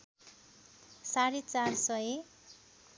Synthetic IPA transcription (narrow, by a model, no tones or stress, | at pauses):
saɾet͡sarsʌje